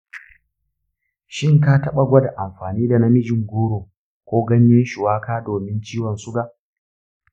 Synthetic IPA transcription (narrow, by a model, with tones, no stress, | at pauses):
ʃɪ˦ŋka˦tɐ˦ɓa˨ɡʷɐ˦da˨ʔa˨mɸaː˨niː˦da˨na˦mɪ˦d͡ʒɪ˨ŋɡʷoː˦ɾoː˨ | kʷoː˦ɡɐ˦ɲjɛ˦ʃʊ˨waː˦kaː˦doː˨mɪ˦nt͡ʃiː˦wɔ˨nsʊ˦ɡa˨ʔ